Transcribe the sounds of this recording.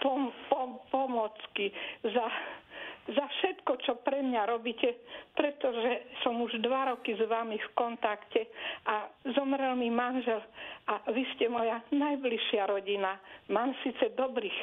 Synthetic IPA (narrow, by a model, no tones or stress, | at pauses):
pɔpɔpɔmɔt͡skiza | zafʃɛt̪kɔt͡ʃɔpɾɛmɲaɾɔbiːcɛpɾɛt̪ɔʒɛsɔmuʒd̪ʋaɾɔkizʋamifkɔnt̪akcɛʔazɔmɾɛlmimanʒɛlʔaʋiscɛmɔjanajbliʃɪaɾɔɟinamaːmsiːt͡sɛd̪ɔbɾiːx